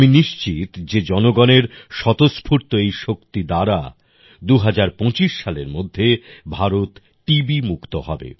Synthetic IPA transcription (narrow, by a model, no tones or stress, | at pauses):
miniʃt͡ɕit̪d͡ʑed͡ʑɔnoɡɔneɾʃɔt̪ospʰuɾt̪oejʃokt̪id̪aɾa̰ | d̪uɦad͡ʑaɾpõt͡ɕiʃːaleɾmod̪ʱːebʱaɾot̪ | ʈibimukt̪oɦɔbḛ